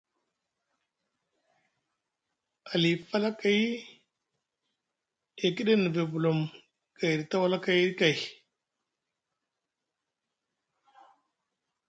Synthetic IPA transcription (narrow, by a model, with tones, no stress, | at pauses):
a˨li˨pa˦la˦ka˨j | e˨ki˦ɗe˦ni˨be˨bu˨lo˨m | ka˨jɾi˨ta˦wa˦la˦ka˨jɾi˦ka˨j